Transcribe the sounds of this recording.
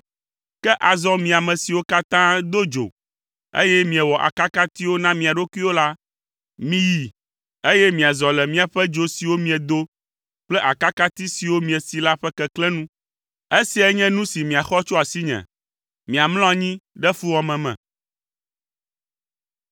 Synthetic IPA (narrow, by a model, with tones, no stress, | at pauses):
kɛ˦ʔa˨zɔ˦mĩ˨a˨mɛ̃˨si˨wo˦ka˦t̪ã˦d̪o˦d͡ʒo̰˨ | ḛ˦jɛ˦mĩ˨ɛ˨wɔ˨ʔa̰˨ka˦ka˦t̪i˦wo˦nã˦mĩ˨a˨ɖo˦ku˦i˦wo˦la˦ | mĩ˨ji˨ | e˦jɛ˦mĩ˨a˨zɔ˨lɛ˨mĩ˦a˨ɸɛ˦d͡ʒo˨si˨wo˦mĩ˨ɛ˨d̪o˦ | k͡plɛ˦ʔa˨ka˦ka˦t̪i˦si˨wo˦mĩ˨ɛ˨si˨la˦ɸɛ˦kɛ˦klɛ˦nũ˦ | e˦si˨ɛ˦ɲɛ̃˦nũ˦si˨mĩ˨a˨xɔ˦t͡ʃo˦a˨si˦ɲɛ̰̃˨ | mĩ˨a˨mlɔ̃˦a˨ɲĩ˦ɖɛ˦fu˦wɔ˨mɛ̃˨mɛ̰̃˨